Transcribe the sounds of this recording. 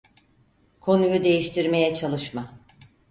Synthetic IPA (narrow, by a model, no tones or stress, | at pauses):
kʰo̞nujud̪e̞jiʃt̪ʰiɾme̞jɛt͡ʃʰalˠɯʃma